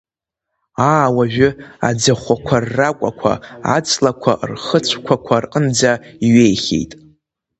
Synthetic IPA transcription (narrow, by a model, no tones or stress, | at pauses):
aːwaʒᶣʏa̰d͡zaχʷakʷʰarːakʷʼa̰kʷʰa̰a̰t͡sʰʼlakʷʰa̰rχət͡ʃʷʰkʷʰakʷʰarqʼənd͡zaiɥejχʲḛjtʼ